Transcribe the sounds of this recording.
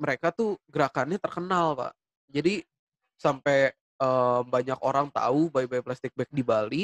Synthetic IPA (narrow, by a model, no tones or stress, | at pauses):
məɾekat̪uɡəɾakanɲat̪ərkənalpa̰ʔ | d͡ʒadi | sampɛ | əːmbaɲakoɾaŋt̪a̰ubajbajplast̪ɪk̚bɛk̚dibali